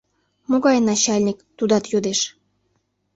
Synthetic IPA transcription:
moɣɑjnɑt͡ɕɑlʲnʲikt̪ud̪ɑt̪jod̪eʃ

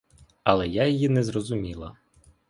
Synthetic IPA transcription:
ɐlˠɛjajɔjinɛzrɔzʊmʲilˠɐ

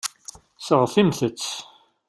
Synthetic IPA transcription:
səʁθimθət͡sː

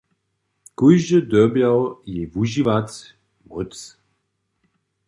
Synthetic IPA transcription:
kuʒəd̪ɔbjawjɛvuʒivatʲ | mut͡s

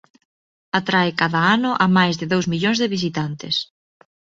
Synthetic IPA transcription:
at̪ɾaɪkaðaanʊʔamajzðɪðowzmiʎoŋzðɪβis̬it̪ant̪ɪs

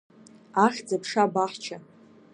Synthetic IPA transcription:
aχʲd͡zapʰʂabaħt͡ʃʰa

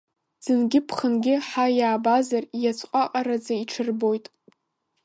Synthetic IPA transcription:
z̥ɨnɡʲɪpʰχənɡʲɪħajaːbazarjat͡sʰʷʼqʷʼaqʼaɾad͡zaiʈ͡ʂʰɨrbo̞jtʼ

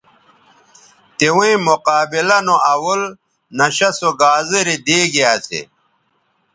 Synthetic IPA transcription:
t̪iwĩĩmoqaːbilɐnoʔɐwul | nɐɕɐsoɡaːzeɾid̪eːɡiaːsḛ

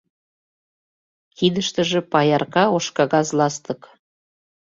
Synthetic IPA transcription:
kid̪əʃt̪ə̆ʒĕpɑjɑrkɑoʃkɑɣɑzlɑst̪ə̆k

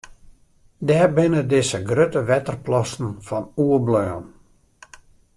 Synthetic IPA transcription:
dɛːrbɪnədɪsəɡrøtəʋɛtərplɔsn̩fɔnuəblœːn

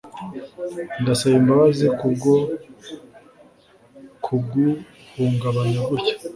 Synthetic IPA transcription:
ndasaβimbaβazikubɡo | kʰuɡu | huːŋɡaβajaɡuɾcḁ

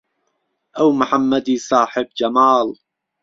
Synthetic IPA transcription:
ʔawmʊħamːad̪isˤaːħɪb̚d͡ʒamaːl

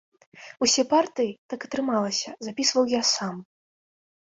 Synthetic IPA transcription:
usʲɛpart̪ɨjit̪akɐt̪ɾɨmalˠɐsʲɐzapʲisvɐwjasam

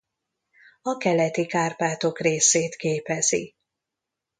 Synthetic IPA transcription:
ɒkɛlɛt̪ikaːrpaːt̪o̞kreːseːt̪keːpɛzḭ

